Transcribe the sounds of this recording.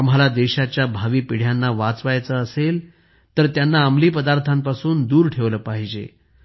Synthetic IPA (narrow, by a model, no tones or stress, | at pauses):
am̤alad̪eɕat͡ɕjabʱaʋiːpiɽ̤janːaʋat͡sʋajt͡səəsel | t̪əɾt̪janːaamliːpəd̪aɾt̪ʰampasuːnd̪uːɾʈʰeʋləːpaɦid͡ʑḛ